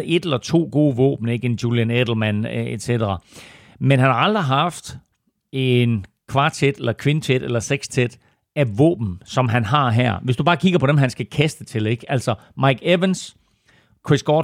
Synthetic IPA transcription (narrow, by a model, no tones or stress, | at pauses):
ʔe̝d̥elɐt͡sʰo̝̰ːɡ̥o̝ːʋɔ̰ːb̥n̩e̝ɡ̥enjuːljæned̥l̩ˠmæned̥sed̥ɐʁɐ | menɦænhɑ̈ɑ̈ld̥ʁiɦɑ̈fd̥ | e̝n | kʰʋɑ̈ːt͡sʰed̥elɐkʰʋint͡sʰed̥elɐseɡ̥st͡sʰed̥ | æʋɔ̰̽ːb̥n̩sɒ̽mɦænɦɑ̈ɦæɐ̰ʋesd̥ub̥ɑ̈ːkʰiɡ̥ɐpʰɒ̽ɾ̥emɦænsɡ̥ækʰæsd̥ət͡sʰe̝le̝ɡ̥æl̰sɒ | mɑ̈ɪɡ̥eʋəns | kʰʁisɡ̥ɒ